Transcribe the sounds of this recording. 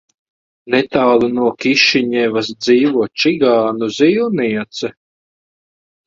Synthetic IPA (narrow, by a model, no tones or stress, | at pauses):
nɛt̪awlˠunuɔkiʃiɲɛvasd̪ziːvuɔt͡ʃiɡaːnuziːwniɛt̪sɛ